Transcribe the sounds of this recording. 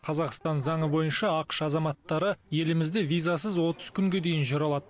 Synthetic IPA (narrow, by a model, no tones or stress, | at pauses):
qʰɑzɑqst̪ɑnzɑɴəbo̞jənʃɑɑqə̥ʃɑzɑmɑt̪ːɑɾəje̞lɪmɪzd̪e̞vijzasəzwo̞t̪əz̥kʲʰʏŋɡʲe̞d̪e̞jɪnʒoɾɑlˠɑd̪ə